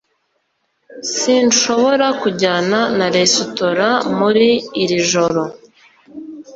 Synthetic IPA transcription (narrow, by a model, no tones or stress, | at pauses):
siːnʃo̞βo̞ɾakuɟaːnanaɾesutoɾamuɾiːɾiʒo̞ɾo̞